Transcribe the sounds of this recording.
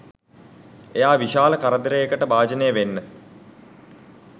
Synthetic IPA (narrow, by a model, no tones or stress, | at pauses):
ejaːʋiʃaːləkaɾəd̪ɾejekəʈəbaːd͡ʒənejəʋenːə